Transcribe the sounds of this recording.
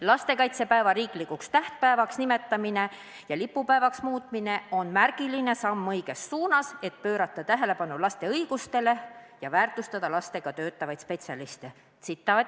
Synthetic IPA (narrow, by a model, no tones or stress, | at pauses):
lɑst̪e̞kɑjt̪se̞pæevɑɾiːklikːukst̪æht̪̚pæevɑksnime̞t̪ːɑmine̞ | jɑlipːˑupæevɑksmuːt̪mine̞ʔo̞nmærɡ̥iline̞sɑmːɤjɡ̥e̞sːuːnɑse̞t̪̚pø̞ːɾɑt̪ːˑɑt̪æɦe̞le̞pɑnulɑst̪e̞ɤjɡ̥ust̪e̞le̞jɑvæːrt̪ˑust̪ɑd̪̥ɑlɑst̪e̞ɡ̥ɑt̪øːt̪ːˑɑvɑjt̪spe̞t̪sʲɑlist̪e | sit̪ːˑɑː